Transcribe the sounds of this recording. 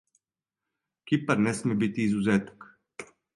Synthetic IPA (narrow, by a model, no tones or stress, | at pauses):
kipəɾnɛsmɛbit̪iːzuzɛt̪ə̥k